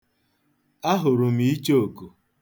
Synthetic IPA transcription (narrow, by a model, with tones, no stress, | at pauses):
a˦ɦʊ˨ɾʊ˨m̩i˦t͡ʃo˦o˨ku˨